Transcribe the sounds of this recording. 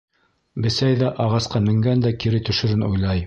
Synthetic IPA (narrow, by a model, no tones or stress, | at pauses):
bɘ̆sæjðæʔɑʁɑsqɑmɘ̆ŋɡænd̪ækiɾɘt̪ɵ̆ʃɵ̆ɾɘnṵjlˠɑj